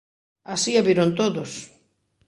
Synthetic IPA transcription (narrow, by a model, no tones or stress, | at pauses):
asiaβiɾont̪oðos